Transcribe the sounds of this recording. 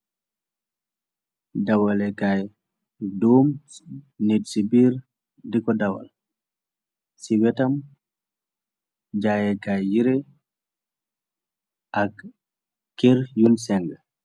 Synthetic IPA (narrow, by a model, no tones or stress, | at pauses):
dɐwalɛkaj | doːm | netsibiɾ | dikɔdɐwa̰l | siwɛtɐm | d͡ʒajɛkajjiɾe | ʔak | keɾjunsɛŋɡ